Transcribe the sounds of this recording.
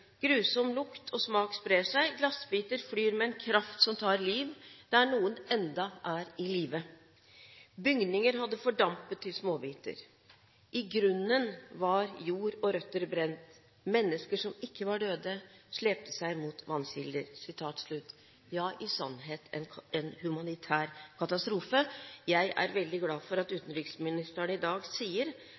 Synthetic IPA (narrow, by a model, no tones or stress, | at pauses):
ɡ̥ɾʉːsɔmlʊkt̪ʰɔsmɑːkspɾeːʂæɪɡlɑsbiːt̪əɾflyːɾmɛɛnkʰɾɑft̪sɔmt̪ʰɑːɾliːʋd̪̥ɛæɳuːənɛnd̪ɑʔæɾɪliːʋə | bʏŋd̪nɪŋəɾɦɑd̪ːəfɔɖɑmpət̪ʰːɪlsmoːbiːt̪ə̰ɾ | ʔɪɡɾʉnːənʋɑɾjuːɾɔɾœt̪ːəɾbɾɛnt̪ | mɛnːəskəʂɔmɪkːəʋɑɖøːd̪əʂleːp̚t̪əsæɪmuːt̪ʰʋɑnːɕɪld̪əɾsɪt̪ʰɑːt̪ʂɭʉt̪ː | jɑːʔɪsɑ̰nɦeːt̪ʰɛ̰nɛnhʉmɑnɪt̪ʰæːɾkʰɑt̪ɑst̪ɾuːfəjæɪʔæ̰ɾʋɛld̪ɪɡlɑːfɔɾɑt̪ʉːt̪n̩ɾʏksmɪnɪst̪æɳɪd̪ɑːɡsiːəɾ